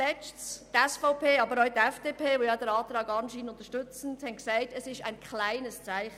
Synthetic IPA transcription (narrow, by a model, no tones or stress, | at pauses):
ɛt͡ʃttɛsfɔʊpʰeːɑbəɾɔʏtɛfd̥eːpʰeːvojadəɾɑːtɾɑːɡɑnʃiːnʊnt̪əʃtʏt͡sn̩thɛnksaɪtɛsɪʃa̰ɪnkχlaɪnəst͡saɪχ